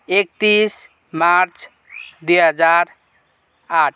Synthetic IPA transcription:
ek̚t̪is | maɾt͡ʃ | d̪iɦəd͡ʒaɾ | aʈ̚ʰ

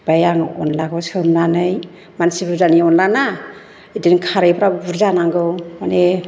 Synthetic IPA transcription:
b̥ajaŋɔ̰nlaɡɯsɯnlanɯj | mansibuɾzaniɔnlana | idinkʰaɾɯjpʰɾabuɾzanaŋɡɯwmane

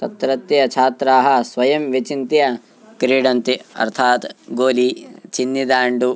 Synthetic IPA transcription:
t̪ɐt̪ɾɐt̪jɐt͡ʃʰaːt̪ɾaːɦɐsʋɐjɐmʋit͡ʃint̪jɐ | kɾiːɖɐnt̪iɐ̰ɾt̪ʰaːt̪ɡoːlit͡ʃinːid̪aːɳɖu

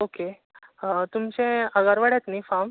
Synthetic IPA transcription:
oke | t̪umt͡ɕẽəɡaɾʋaɽat̪nifam

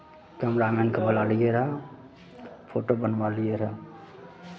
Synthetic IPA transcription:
kɛːmɾameːnkabəlaːlijeɾa | pʰoːʈobənʋalijeɾa

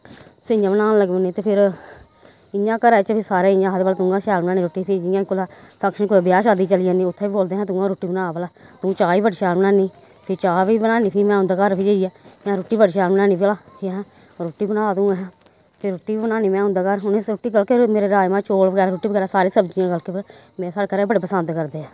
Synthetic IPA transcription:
sɪãːbənaːnləɡbəniːt̪eːpʰɪɾ | ɪjãːkəɾaːt͡ʃəpʰɪsaːɾeːɪjãːɦət̪bəlaːt̪ʊ̃ːɡãːʃɛːlbənaːnĩːɾoːʈːiːpʰɪd͡ʒɪjãːkolaːpʰəkʃənkolabjaːʃaːd̪iːt͡ʃəlijãːniːʊt̪ʰːeːiːboːld̪eːɦɛ̃ːt̪ʊːɡãːɾoːʈːiːbənaːbəlaːt̪ũːt͡ʃaːiːbəɖʃɛːlbnaːniː | pʰɪt͡ʃaːʋiːbənaːniːpʰiːmɛ̃ːʊ̃nd̪aːkaɾpʰid͡ʒeijaːmɛ̃ːɾoːʈːiːbəɖʃɛːlbənaːnĩːblaːeɦɛ̃ː | ɾoːʈːiːbənaːt̪ũːɦɛː | pʰɪɾʊːʈːiːbənaːniːmɛ̃ːɦʊ̃nd̪aːkəɾɦʊnɾoːʈːiːɡəlkemeːɾeːɾaːjmãːt͡ʃoːlʋəɡɛːɾaːɾʊːʈːiːbəɡɛːɾaːsaːɾeːsəbd͡ʒɪjãːɡəlkeː | mɛ̃ːsaːɽkəɾaːbəɽeːpəsənd̪kəɾd̪eːɛː

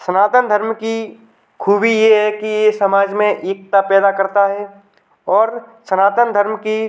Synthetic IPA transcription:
sənaːt̪ənd̪ʱəɾmki | kʰuːbʱijeɦɛkijesɐmaːd͡ʒmẽʔeːk̚t̪apɛːd̪akɐɾt̪aɦɛː | ɔːɾsənaːt̪ənd̪ʱəɾmki

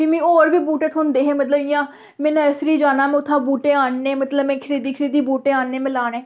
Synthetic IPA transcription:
ɪːmɛ̃ːoːɾbiːbuːʈeːt̪ʰond̪eːɦɛːmət̪ləbɪjãː | mɛ̃ːnəɾsɾiːd͡ʒaːnaːmɛ̃ːʊt̪ʰːãːbuːʈeːaːɳneːmət̪ləbmɛ̃ːkʰəɾiːd̪iːkʰəɾiːd̪iːbuːʈeːaːɳneːmɪ̃laːneː

